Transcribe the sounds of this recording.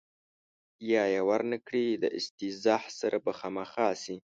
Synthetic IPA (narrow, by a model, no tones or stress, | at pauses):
jɑːjawaɾnəkɽid̪əʔɪ̰st̪izɑhsaɾʔabaxamaxɑsi